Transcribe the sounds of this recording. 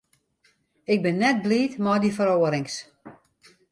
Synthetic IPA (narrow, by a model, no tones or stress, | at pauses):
ɪk̚bɪnːɛt̚bliːtmɔjdifəɾoːəɾɪŋs